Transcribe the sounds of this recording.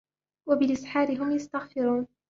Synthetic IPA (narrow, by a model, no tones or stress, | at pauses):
wabɪlʔɪsħaːɾɪɦʊmjast̪aɣfɪɾuːn